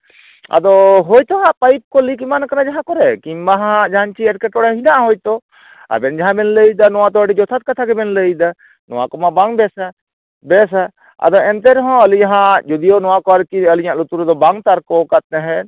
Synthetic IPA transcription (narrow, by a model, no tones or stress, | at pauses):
a̰d̪ɔɦojt̪ɔɦãʔpajp̚kɔlikimankanad͡ʒaɦãkɔɾɛkimbaɦãd͡ʒaɦant͡ʃʰiɛʈ̚kɛʈɔɽaɦinaʔɦojt̪ɔ | a̰bɛnd͡ʒaɦãbɛnləjd̪anɔwat̪ɔəɽid͡ʒɔt̪ʰat̪̚kat̪ʰaɡɛbɛnləjd̪a | nɔwa̰kɔmabaŋbɛsa | bɛs̬a | a̰d̪ɔɛnt̪ɛɾɦɔ̃əlid͡ʒaɦãd͡ʒɔd̪ijonɔwakɔaɾkiəliɲaʔlut̪uɾɔd̪ɔbaŋt̪aɾkɔkat̪̚nɛɦɛ̃